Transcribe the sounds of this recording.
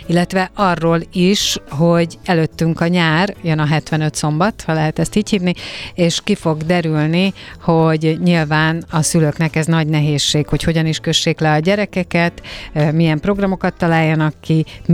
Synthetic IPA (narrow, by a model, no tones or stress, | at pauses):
ilːɛt̪ʋɛʔɒrːoːliʃho̞ɟɛløt̪ːyŋkɒɲaːrjønɒɦɛt̪ʋɛnø̞t̪so̞mbɒt̪hɒlɛɦɛt̪ɛst̪iːchiːvnieːʃkifo̞ɡd̪ɛɾylniho̞ɟɲilvaːnɒsyløknɛkɛznɒɟnɛɦeːʃːeːkho̞cho̞ɟɒniʃkø̞ʃːeːklɛɒɟɛɾɛkɛkɛt̪mijɛmpro̞ɡrɒmo̞kɒt̪ːɒlaːjːɒnɒkːim